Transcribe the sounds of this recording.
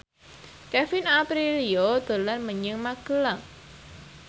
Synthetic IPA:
kɛfɪnapɾiliod̪̥o̤lanməɲəŋmaɡ̥əlaŋ

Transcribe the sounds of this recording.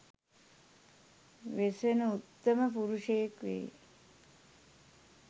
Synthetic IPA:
ʋesʋenəut̪ːəməpuɾuʂejːkʋḛj

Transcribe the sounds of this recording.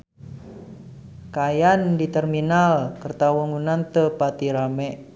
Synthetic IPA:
kajandit̪ərminalkərt̪awəŋunant̪əpat̪iɾamɛʔ

